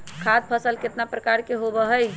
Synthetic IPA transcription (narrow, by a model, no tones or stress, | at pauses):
kʰad̪̚pʰəsəlket̪napɾəkaɾkeɦobəɦəj